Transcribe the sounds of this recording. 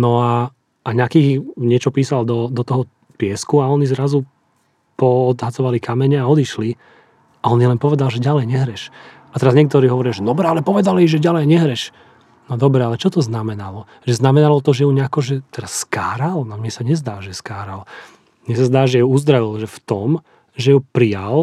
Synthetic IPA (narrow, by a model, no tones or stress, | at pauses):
nɔa | aɲakiːɲɪɛt͡ʃɔpiːsald̪ɔd̪ɔt̪ɔɦɔ | pɪɛskuaɔnizɾazu | pɔːd̪ɦat͡sɔʋalikamɛɲɛaɔd̪iʃli | aɔnjɛlɛnpɔʋɛd̪alʒɛɟalɛjɲɛɦɾɛʃ | at̪ɛɾazɲɛk̚t̪ɔɾiːɦɔʋɔɾijaʒɛd̪ɔbɾɛalɛpɔʋɛd̪aliʒɛɟalɛjɲɛɦɾɛʃ | nɔd̪ɔbɾɛalɛt͡ʃɔt̪ɔznamɛnalɔ | ʒɛznamɛnalɔt̪ɔʒɛjuɲɛakɔʒɛt̪ɛɾasːka̰ːɾalnɔmɲɛsaɲɛzd̪aːʒɛskaːɾal | mɲɛsazd̪aːʒɛuuzd̪ɾaʋilʒɛft̪ɔm | ʒɛupɾijal